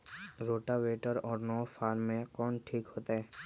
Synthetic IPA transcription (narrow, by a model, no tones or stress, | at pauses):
ɾoːʈaʋeːʈəɾɔːɾnɔːfaːɾːẽkɔːnʈʰiːkɦoːt̪aɦɛː